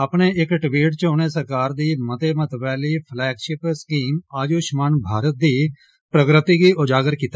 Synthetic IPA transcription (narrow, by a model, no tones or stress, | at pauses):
apɳeːʔɪkʈəbiːɖt͡ʃoːneːsəɾkaːɾd̪iːmət̪eːmət̪ʋɛːliːpʰlɛːɡʃɪpskiːmaːd͡ʒoːʃmənbʱaːɾət̪̚d̪iː | pɾəkɾɪt̪iːɡiːʔʊd͡ʒaːɡəɾkiːt̪a